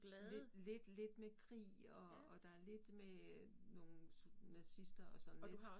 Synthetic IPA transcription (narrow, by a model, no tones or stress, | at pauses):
ɡ̥lɛlele̝d̥le̝d̥mekʰʁḭː | ɒ̽ːd̥ɑ̈æɐle̝d̥meno̝ːn̩sunæsisd̥ɐɒ̽sɒ̽n̩e